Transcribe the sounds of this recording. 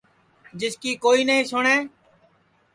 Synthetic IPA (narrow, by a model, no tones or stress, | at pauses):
d͡ʒɪskiːkoːiːnəɦĩːsʊɳeː